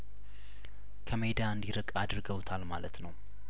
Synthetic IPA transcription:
kʰəmed̪aɨnd̪iɾɨkʼad̪ɾɨɡəwt̪ʰalmalət̪nəw

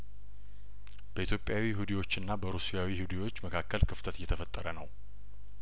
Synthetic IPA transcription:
b̥əit̪ʰjo̞pʼjawiɦud̪iwo̞t͡ʃːɨnːabəɾusijawihud̪iwo̞t͡ʃːməkʰakːəlkʰɨft̪ʰət̪jɛt̪ʰəfət̪ʼːəɾənə̰w

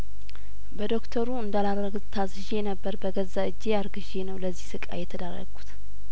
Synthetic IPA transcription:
bəd̪o̞kt̪ʰəɾuɨnd̪alaɾɾəɡʼt̪ʰazɨʒe̞nəbːəɾbəɡəzːaɨd͡ʒːeaɾɡɨʒenəwləzːihsɨkʼa̰jɛt̪ʰəd̪aɾə̰ɡu̥t̪

